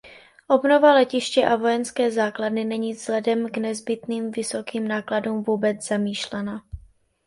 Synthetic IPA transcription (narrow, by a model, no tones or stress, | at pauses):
ʔo̞bno̞valɛcɪʃcɛʔavo̞jɛnskɛːzaːkladnɪnɛɲiːz̥lɛdɛmɡnɛzbɪt̪niːmvɪso̞kiːmnaːkladuːmvuːbɛt͡sz̥amiːʃlɛna